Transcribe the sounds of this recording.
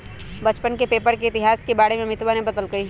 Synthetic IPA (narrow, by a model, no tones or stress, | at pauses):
bɐt͡ʃpənkepeːpəɾkeɪt̪ɪɦaːskebaːɽemẽmɪt̪ʋanẽbɐd̪əlɡɐiː